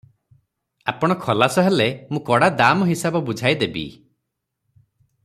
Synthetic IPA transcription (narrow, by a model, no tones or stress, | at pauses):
apɔɽ̃ɔkʰɔlasɔɦelemũkɔɽad̪amɔɦisabɔbud͡ʒʱajd̪ebḭ